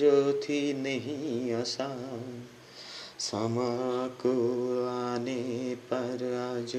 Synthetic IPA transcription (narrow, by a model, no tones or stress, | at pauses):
ɾot̪ʰinəɦĩɐsa | sɐmakuanepɐɾaːd͡ʒ